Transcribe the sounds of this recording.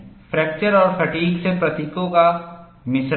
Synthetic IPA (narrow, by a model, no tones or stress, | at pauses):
fʰɾɛːk̚t͡ʃəɾɔːɾfʰɐʈiːɡsepɾɐt̪ikõka | mɪsɾ